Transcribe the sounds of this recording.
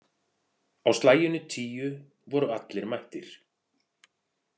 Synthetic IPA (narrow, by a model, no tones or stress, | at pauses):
awst̪laːjʏnːʏt̪ʰiːjʏ | vɔɾʏat̪lɛɾmajht̪ɪɾ̥